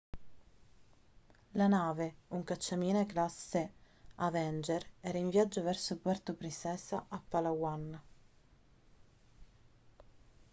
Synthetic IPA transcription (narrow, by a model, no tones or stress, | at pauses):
lanaːveuŋkat͡ʃːamiːneklasːe | avɛnd͡ʒeɾɛːɾaiɱvjad͡ʒːovɛrsopwɛrt̪opɾisɛːsaʔːpːalawan